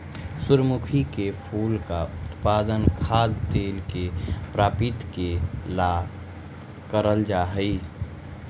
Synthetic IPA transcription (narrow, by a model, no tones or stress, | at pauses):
sʊɾəmukʰikepʰuːlkaʊt̪paːd̪ənkʰaːd̪t̪eːlkepɾaːpɪt̪kelaɡ | kəɾəld͡ʒaɦəi